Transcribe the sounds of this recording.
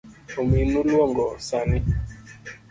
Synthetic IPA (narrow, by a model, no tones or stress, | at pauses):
ominulwɔŋɡɔsani